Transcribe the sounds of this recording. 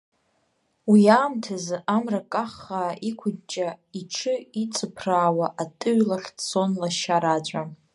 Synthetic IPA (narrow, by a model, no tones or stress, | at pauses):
wiaːmtʰazʔamrakʼaχːaːʔikʷʰʊdt͡ʃʼaiʈ͡ʂʰɨit͡sʰʼɨpʰraːwaʔatʼɨɥlaχʲt͡so̞nlaʃaɾad͡ʒʷʼa